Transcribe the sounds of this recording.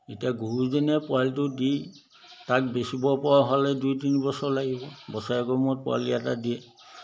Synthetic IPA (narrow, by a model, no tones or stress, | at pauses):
etiaɡuɹuzinɛpʊaltʊdi | tak̚besibɔpɔɹaɦalɛdujtinibɔsɔɹlaɡibɔbɔsaɛkɔmɔt̚pʊa̰liatadiɛ